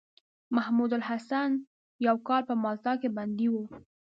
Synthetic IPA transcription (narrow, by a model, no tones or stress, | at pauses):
mahmud̪ʊlhasan | jawkɑlpəmɑlt̪ɑkeband̪iwu